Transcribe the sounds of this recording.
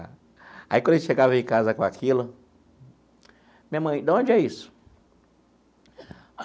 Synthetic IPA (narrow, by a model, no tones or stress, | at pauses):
a̰ikõd̪elɪsʃeɡavɐ̃ẽkazɐkõakʰilʊ | mĩɲɐmɐ̃j̃d̪aõnd͡ʒɪɛisʊ̥